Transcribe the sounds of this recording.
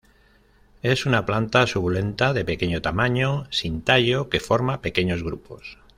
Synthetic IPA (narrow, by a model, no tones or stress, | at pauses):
e̞sunaplant̪asuβule̞nt̪aðe̞pe̞ke̞ɲot̪amaɲosint̪aʎo̞ke̞fo̞ɾmape̞keɲo̞zɣɾupo̞̰s